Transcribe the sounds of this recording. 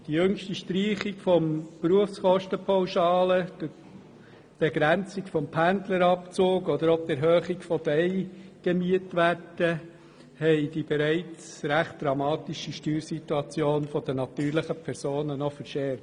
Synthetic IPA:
d̥ijɵŋʃtiʃtɾiːχikfɔmpɾuəfskɔʃtəpʰawʃɑːləd̥ɪ | b̥eɡɾænt͡sikfɔmpʰænd̪ləɾɑpt͡soːkɔd̪əɾɔp̚t̪ɛɾɦœːχikfɔd̥ɛɪɡ̥emyətʋæɾd̥ə | hɛɪd̥ibɛɾæɪt͡sɾæχt̚d̥ɾɑmɑːt̪iʃiʃtyːɾsit̪uɑt͡sjoːnfɔd̥̪ənɑt̪yːɾləχəpʰɛɾsoːnənɔfəɾʃɛː

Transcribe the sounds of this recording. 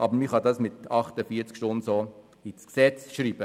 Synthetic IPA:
ʔɑbəɾmiχɑd̪ɑsmɪt̪ɑχtəfiːət͡skʃtʊnso | isksɛt͡sʃɾiːbə

